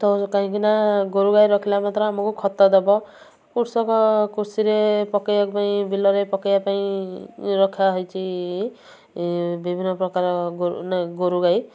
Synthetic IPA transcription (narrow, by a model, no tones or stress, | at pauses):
t̪ɔkaɦĩkinaɡoɾuɡajɾɔkʰilamat̪ɾɔamɔkukʰɔt̪ːɔd̪ebɔ | kuɾsɔkɔkuɾsiɾepɔkejakpaĩbilɔɾepɔkejapaĩ | ɾɔkʰaɦɔjt͡ʃʰi | bibʱinːɔpɾɔkaɾɔɡonaɡoɾuɡaj